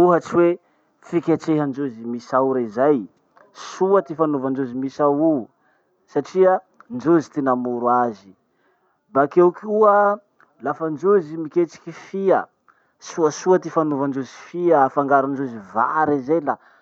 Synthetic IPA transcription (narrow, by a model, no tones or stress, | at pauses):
uɦat͡ʃiwe | t͡sikʲat͡ʃeɦand͡ʒozimisauɾaizaj | suət̪ifanuvand͡ʒozimisawu | saʈ͡ʂiə | nd͡ʒozit̪inamuɾwazi | bakewkʲuə | lafand͡ʒozimikʲet͡si̥kʲifiə | suəsuət̪ifanuvand͡ʒozi̥fiəfaŋɡaɾund͡ʒoziva̰ɾizejla